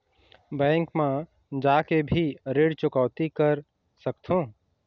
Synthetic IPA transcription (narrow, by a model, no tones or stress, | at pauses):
bɛ̃ːŋkmã | d͡ʒaːkebʱiɾeːɽt͡ʃʊkaːʊt̪ikəɾ | səkt̪ʰõː